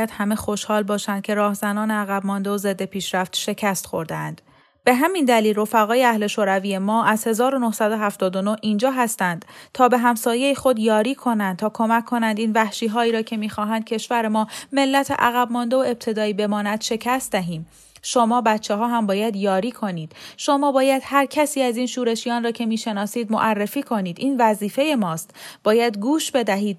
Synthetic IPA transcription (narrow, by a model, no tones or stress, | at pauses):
jæd̪hæme̞xo̞ʃhɒːlbɒːʃænd̪̚cʰe̞ɾɒːhzænɒːneæɣæb̚mɒnd̪e̞oze̞d̪ːe̞pʰiːʃɾæft̪ʃe̞cʰæst̪xo̞ɾd̪eæ̰nd̪̥ | b̥e̞ɦæmind̪æliːlro̞fæɣɒːjeæhle̞ʃoːɾæviːjemɒːʔæz̥he̞zɒːɾo̞no̞hsæd̪o̞ɦæft̪ɒːd̪ono̞hʔiːnd͡ʒɒːɦæst̪ænd̪̥t̪ʰɒːbe̞ɦæmsɒːje̞jixo̞d̪jɒːɾiːkʰo̞nænd̪̚t̪ʰɒːkʰo̞mæcʰːo̞nænd̪iːnvæhʃiːɦɒːiːɾɒːcʰe̞miːxɒːɦænd̪̥̚cʰe̞ʃvæɾemɒːme̞lːæt̪ʰḛʔæɣæbmɒːnd̪e̞oe̞b̚t̪ʰe̞d̪ɒːiːbe̞mɒːnæd̪̥ʃe̞cʰæst̪d̪æɦiːm | ʃo̞mɒːbæt̪ʰt͡ʃʰːeɦɒːɦæmbɒːjæd̪jɒːɾiːkʰo̞niːd̪̥ʃo̞mɒːbɒːjæd̪̥hæɾcʰæsiːæziːnʃuːɾe̞ʃijɒːnrɒːcʰe̞miːʃe̞nɒːsiːd̪moʔærːefiːkʰo̞niːd̪ʔiːnvæziːfe̞je̞mɒːst̪b̥ɒːjæd̪ɡuːʃbe̞d̪æɦiːd̪̚